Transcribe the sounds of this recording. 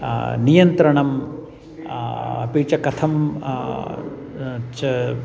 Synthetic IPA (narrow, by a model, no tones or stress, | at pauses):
nijɐnt̪ɾɐɳɐm | ɐpiːt͡ʃɐkɐt̪ʰɐm | t͡ʃ